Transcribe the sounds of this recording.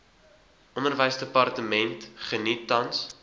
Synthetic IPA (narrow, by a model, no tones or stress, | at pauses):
ʔɔndərvəjsdəpɐrtəmɛntχənitːɐns